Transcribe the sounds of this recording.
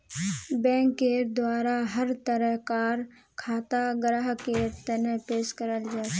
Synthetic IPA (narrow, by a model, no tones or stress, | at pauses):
bɛ̃ːŋkːeːɾd̪waːɾaɦɐɾt̪əɾəɦkaːɾ | kʰaːt̪aɡɾaːɦkeːɾt̪ənpeːʃkəɾəld͡ʒaːt